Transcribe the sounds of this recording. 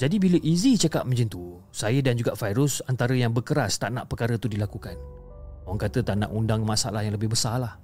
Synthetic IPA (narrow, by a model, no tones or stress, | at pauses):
d͡ʒadibiləʔizit͡ʃəkaʔ̚mə̃ɲd͡ʒint̪u | sajədand͡ʒuɡaʔfajɾʊsant̪aɾəjaŋbəkəɾast̪aʔna̰ʔpəkaɾət̪udilakukan | owaŋkat̪ət̪aʔna̰ʔundaŋmasa̰lahjaŋləbɪhbəsalah